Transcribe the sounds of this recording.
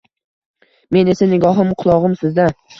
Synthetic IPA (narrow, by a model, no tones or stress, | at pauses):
me̞ne̞sanɪɡɒɦɨmqʰʊlˠɒʁɨmsɪzd̪a